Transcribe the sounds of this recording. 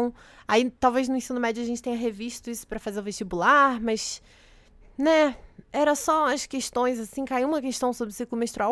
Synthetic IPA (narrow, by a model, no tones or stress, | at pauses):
w̃ | ait̪awvejznʊẽsĩnʊmɛd͡ʒʊaʒẽnt͡ʃɪ̥t̪ẽɲɐɦeviʃt̪ʊisʊ̥pɾɐfazeɾʊ̃veʃt͡ʃibulaɾmɐʃ | nɛɛɾɐsɔɐskeʃt̪õj̃zasĩkaiwũmɐkeʃt̪ɐ̃w̃sobɾɪsiklʊmeʃt̪ɾuaw